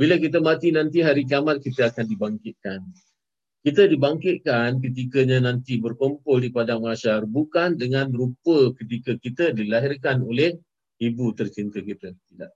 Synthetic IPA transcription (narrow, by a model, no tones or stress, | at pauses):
biləkit̪əmat̪inãnt̪iɦaɾik̬iamat̪̚kit̪əakandibaŋkɪt̪̚kan | kit̪ədibaŋkɪt̪̚kank̬ət̪̬ikəɲãnãnt̪ibərkompʊldipadaŋmaʃarbukandəŋãnrupəkət̪ikəkit̪ədilaɦɪrkanolɛh | ibut̪ərt͡ʃint̪əkit̪ət̪ida̰ʔ